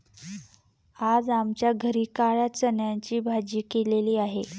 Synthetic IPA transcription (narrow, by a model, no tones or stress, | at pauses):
ad͡zamt͡ɕjaɡʱəɾiːkaɭjat͡sənjaɲt͡ɕiːbʱad͡ʑiːkeleliːaɦe